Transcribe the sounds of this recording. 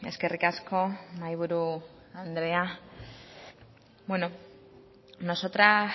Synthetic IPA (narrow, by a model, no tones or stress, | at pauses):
e̞̰ske̞rikasko̞majβ̞uɾu | and̪ɾe̞a | bweno̞ | no̞so̞t̪ɾa